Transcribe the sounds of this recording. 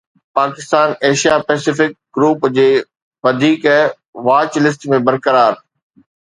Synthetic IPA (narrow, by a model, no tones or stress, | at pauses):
paːkɪst̪aːneːʃijapɛːsɪfɪk̚ɡɾuːpd͡ʑeː | ʋɐd̪ʱiːk | ʋaːt͡ɕlɪs̬ʈ̪mẽbɐɾkəɾaːɾ